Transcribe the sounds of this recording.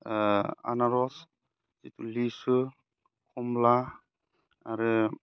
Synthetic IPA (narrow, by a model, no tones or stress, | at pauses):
a̰naɾɔs | itulisu | kʰɔmla | aɾɯ